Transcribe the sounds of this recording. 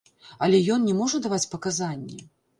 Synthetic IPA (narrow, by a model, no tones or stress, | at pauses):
ɐlʲɛjɔnnʲɛmɔʐɐd̪avat͡sʲpɐkazanʲːɛ̰